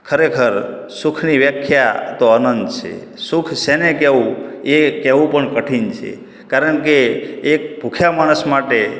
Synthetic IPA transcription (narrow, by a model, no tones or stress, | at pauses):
kʰəɾekʰəɾ | sukʰniʋjəkʰjat̪oənənd̪t͡ʃʰḛ | sʊkʰsenekeʋũekeʋũpəɳkəʈʰint͡ʃʰḛ | kaɾəɳkeːk̚bʱukʰjamaɽ̃əsmaʈe